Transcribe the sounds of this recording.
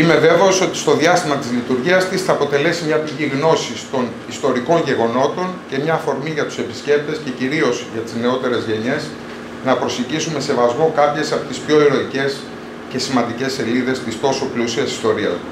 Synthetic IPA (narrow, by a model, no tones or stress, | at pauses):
ime̞ve̞ve̞oso̞t̪i̥st̪o̞ðiɐst̪imɐt̪izlit̪uɾʝiɐst̪isθɐːpo̞t̪e̞le̞simɲɐpiʝiɣno̞sist̪o̞n | ist̪o̞ɾiko̞nʝe̞ɣo̞no̞t̪o̞ɲce̞mɲɐːfo̞ɾmiʝɐt̪u̥se̞pi̥sce̞p̚t̪e̞sce̞ciɾio̞zʝɐt̪izne̞o̞t̪e̞ɾe̞zʝe̞ɲe̞s | nɐpɾo̞seɟisume̞se̞vɐzmo̞kɐpçe̞sɐpot̪ispço̞iɾo̞tice̞s | ce̞simɐnd̪ice̞se̞liðe̞st̪ist̪o̞so̞plusiɐsi̥st̪o̞ɾiɐ̰s